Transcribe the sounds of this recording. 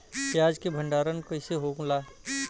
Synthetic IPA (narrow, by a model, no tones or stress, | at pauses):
kiaːd͡ʒkebʱəɳɖaːɾənkəɪseɦoːklaː